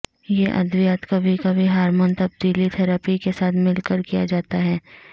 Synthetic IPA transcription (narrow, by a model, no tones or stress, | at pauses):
jeʔɐ̰d̪ʋɪjaːt̪kabʱikabʱiɦaːɾmoːnt̪ɐb̚d̪iːlit̪ʰɛɾaːpikesaːt̪ʰmɪlkəɾkija̰d͡ʒaːt̪aɦɛː